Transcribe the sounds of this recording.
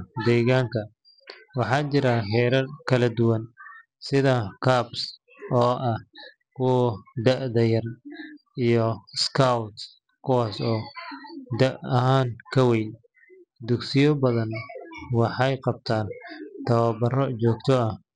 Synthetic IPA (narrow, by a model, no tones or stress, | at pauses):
d̪ɛːɣaːŋkʰɐ | wɑħɑːt͡ʃɪɾaɦɛːɾɐrkʰɐlɐd̪ʊwɐn | sɪðɐkʰaːbs | ɔːʔɐh | kʰʊd̪ɐʔd̪ɐjɐr | ijɔskʰawt̪ | kʰʊwaːsɔː | d̪ɐʔɐhaːŋkʰɐwɛj | d̪ʊɡsɪjɔbɐðɐnwɑħɑjqɑb̚t̪ʰaːnt̪ʰɐβɐbɐrɔt͡ʃɔːɡt̪ʰɔɐh